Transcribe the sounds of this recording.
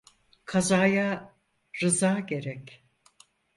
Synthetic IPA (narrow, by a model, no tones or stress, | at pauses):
kʰazaːja | ɾɯzaːɟe̞ɾɛc